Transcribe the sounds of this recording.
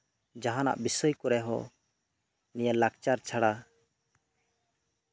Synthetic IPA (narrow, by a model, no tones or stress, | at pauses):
d͡ʒaɦãna̰ʔbisɔjkɔɾɛɦɔ̰ | nijalak̚t͡ʃaɾt͡ʃʰaɽa